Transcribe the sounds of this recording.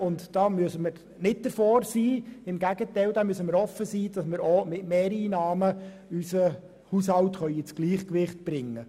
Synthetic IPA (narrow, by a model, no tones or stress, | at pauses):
ʊntd̥ɑːmyəsəməɾ | nɪt̚d̥əɾfoːɾsiːɪmɡæɡətɛɪld̪amyəsəməɾɔfəsiːd̥ɑsməɾomɪtmeːɾiːnɑːmə | ysə | hushɑltχœʏɪt͡sɡ̥liːχkʋɪχt̚b̥ɾɪŋːə